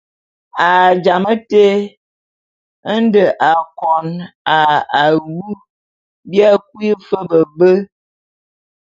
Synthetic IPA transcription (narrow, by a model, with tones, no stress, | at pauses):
a˨d͡ʒa˨mə˦te˦ | ə˦n̩˦də˨ʔa˨kɔ˨na˨a˨wu˦ | bja˦k̚wi˦fə˦bə˨bə˦